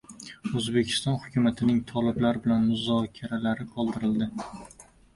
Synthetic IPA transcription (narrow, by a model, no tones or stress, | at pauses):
ɵzbe̞kʲʰɪ̥st̪ɒnhʊkʲʊmat̪ʰɪnɪŋt̪ʰɒlɪblaɾbɪlanmʊzɒkʲʰaɾalaɾɪqʰɒlˠd̪ɪɾɪld̪ɪ